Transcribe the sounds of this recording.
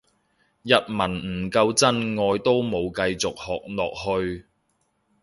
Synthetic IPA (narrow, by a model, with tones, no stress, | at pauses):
jɐ˨t̚mɐ˨˩nm̩˨˩kɐ˧wt͡sɐ˥nŋɔː˧jt̪o˥wmo˨˧wkɐ˧jt͡sʊ˨k̚hɔː˨k̚lɔ̰ː˨k̚hɵ˧ɥ